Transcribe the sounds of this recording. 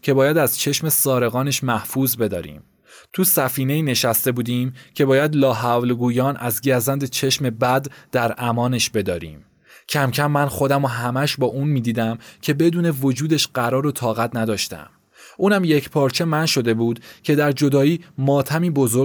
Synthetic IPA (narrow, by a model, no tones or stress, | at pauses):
cʰe̞bɒːjæd̪æzt͡ʃʰe̞ʃme̞sɒːɾe̞ɣɒːne̞ʃmæhfuːzbe̞d̪ɒ̰ːɾḭːm | t̪ʰusæfiːne̞iːne̞ʃæst̪e̞buːd̪iːmcʰe̞bɒːjæd̪lɒːɦævlɡuːjɒːnʔæzɟæɾzænd̪et͡ʃʰe̞ʃme̞bæd̪d̪̥æɾʔæmɒːne̞ʃbe̞d̪ɒːɾḭːm | cʰæmcʰæmːænxo̞d̪æmoɦæmæʃbɒːʔuːnmiːd̪iːd̪æmcʰe̞be̞d̪uːne̞vo̞d͡ʒuːd̪e̞ʃɢæɾɒːɾot̪ʰɒːɣæt̪ʰnæd̪ɒːʃt̪æ̰m | ʔuːnæmje̞cʰpʰɒːɾt͡ʃʰe̞mænʃo̞d̪e̞buːd̪cʰe̞d̪æɾd͡ʒo̞d̪ɒːiːmɒːt̪ʰæmiːbozo